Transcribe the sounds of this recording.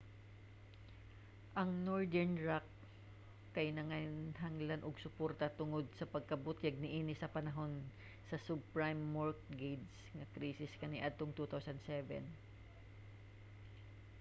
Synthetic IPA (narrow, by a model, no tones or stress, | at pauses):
ʔɐŋnoɹd̪ɛɹnɹakː | ɐjnɐŋanɦaŋlanʔoɡsʊpoɾt̪ɐt̪ʊŋo̞d̪̚sɐpɐɡ̚kɐbot̪jɐɡ̚nɪʔiːnɪsɐpɐnɐɦo̞n | sɐsubpɹajmːoɹk̚ɡejd̪s | ŋɐkɾiːsɪskɐnɪʔad̪̚t̪oŋt̪ut̪awsɐnd̪sɛvɛ̰n